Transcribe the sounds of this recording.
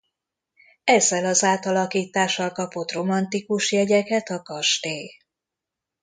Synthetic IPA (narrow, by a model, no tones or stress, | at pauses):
ɛzːɛlɒzaːt̪ɒlɒkiːt̪aːʃːɒlkɒpo̞t̪ro̞mɒnt̪ikuʃjɛɟɛkɛt̪ɒkɒʃt̪eː